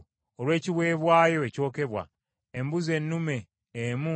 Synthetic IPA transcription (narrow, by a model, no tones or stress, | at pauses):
olwe̞ːciβwe̞ːβwaːjo̞eco̞ːke̞βwa̰ | embuze̞nːume̞ː | mu